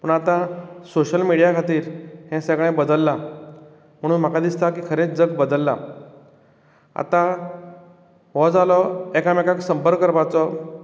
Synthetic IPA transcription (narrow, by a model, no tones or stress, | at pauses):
pəɳat̪ãsoɕəlmiɽijakʰat̪iːɾhɛ̃səɡɭẽbəd̪əlːa | m̤əɽ̃uːnm̤akad̪ist̪akiːkʰəɾet͡sd͡zəɡbəd̪əlːa̰ | a̰t̪ã | ʋɔd͡zalɔɛkamekaksəmpəɾɡkːəɾbat͡sɔ